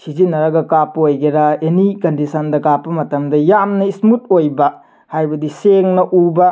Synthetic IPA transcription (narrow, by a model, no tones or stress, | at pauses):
sizinːɐɾɐɡɐkapːɐojɡeɾaenikɐndisʰɐndɐkapːɐmɐtɐmdɐjamnɐismut̚ojbɐ | hajbɐdiseŋnɐʔubɐ